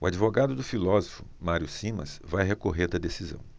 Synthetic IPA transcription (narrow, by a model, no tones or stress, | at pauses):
ʊad͡ʒivoɡad̪ʊd̪ʊfilɔzofʊmaɾjʊsĩmɐ̰svajɦekoɦeɾd̪ɐd̪esizɐ̰̃w̃